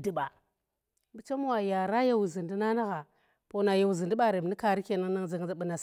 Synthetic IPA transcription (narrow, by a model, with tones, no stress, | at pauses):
di˦ɓa˨ | bi˨t͡ʃa˦m˦wa˨ja˨ɾa˦ja˦wu˨zi˨ndi˦na˦na˦ɣa˨ | po˨na˨ja˨wu˨zi˨ndi˦ɓa˦˨ɾe˨bni˦ka˨ɾi˦ke˨na˦ŋ˦na˦ŋzi˨ŋ˨a˨ɓə˨na˨